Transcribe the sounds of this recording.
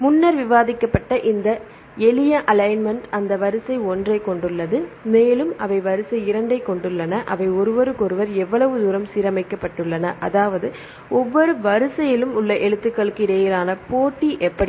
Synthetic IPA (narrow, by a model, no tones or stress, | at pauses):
mʊnːɐɾʋɪʋaːðɪkːɐpːɐʈːɐʔɪnd̪ɐ | ɛlɪjɐʔɐlɐɪnmɐɳʈɐnd̪ɐʋɐɾɯsɐɪɔndrɐɪkːɔɳɖɯɭːɐðɯmeːlɯmɐʋɐɪʋɐɾɯsɐɪɪɾɐɳɖɐɪkːɔɳɖɯɭːɐnɐʔɐʋɐɪɔɾɯʋɔɾɯkɔɾɯʋɐɾɛʋːɐɭɐʋɯd̪uːɾɐmsiːɾɐmɐɪkːɐpːɐʈːɯɭːɐnɐʔɐðaːʋɐðɯ | ɔʋːɔɾɯʋɐɾɯsɐjɪlɯmʊɭːɐʔɛɻɯt̪ːɯkːɐɭɯkːɯɪɾeːjɪlaːnɐpoːʈːiʔɛpːɐɽ